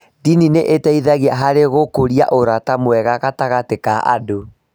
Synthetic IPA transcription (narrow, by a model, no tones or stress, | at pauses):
dinineʔetɛiðaɣeaɦaɾeɣokoɾia̰ʔoɾatamwɛɣaɣataɣatekaʔa̰do